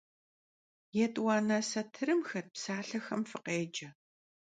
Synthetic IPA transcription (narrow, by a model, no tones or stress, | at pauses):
jɛtʼwɑːnɐsɐtʰɨɾɨmxɐrpsaːɬɐxɐmfɨqeːd͡ʒɐ